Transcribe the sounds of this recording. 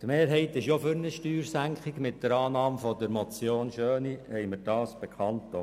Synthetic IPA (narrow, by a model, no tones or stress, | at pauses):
t̪meːɾɦɛɪt̪ɪʃjofʏɾnəʃtyːɾsæŋkχɪɡmɪt̚dəɾɑːnɑːmfɔd̪əɾmɔt͡sjoːnʃøːnihɛɪməɾd̥ɑːsb̥ekχɑntːo